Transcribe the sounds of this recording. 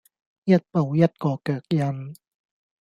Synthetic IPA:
jɐ˦˥t̚po˨˧wjɐ˦˥t̚kɔː˧kœː˨˩k̚jɐ˧n

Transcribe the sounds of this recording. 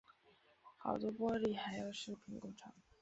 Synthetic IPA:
xɑ˨˩ʊt͡s̪wɔ˥pwɔ˥li˥˩xa˧˥ɪjo˨˩ʊʂɤ˥˩pʰi˧˥ŋkɔ˥˩ŋʈ͡ʂʰɑ˧˥˦ŋ

